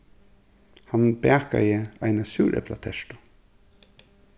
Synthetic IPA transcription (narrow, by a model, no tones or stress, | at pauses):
hanbɛːka̰jəaɪnasuːɾʔɛ̰pla̰t̪ʰɛʂt̪ʊ̥